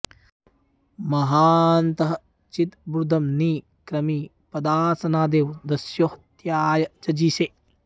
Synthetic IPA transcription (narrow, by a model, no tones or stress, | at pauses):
mɐɦaːnt̪ɐɦɐ | t͡ʃit̪bɾud̪ʱɐmniː | kɾɐmiː | pɐd̪aːɾsɐnaːd̪eːʋd̪ɐsjohɐt̪jaːjɐt͡ʃɐd͡ʒiːseː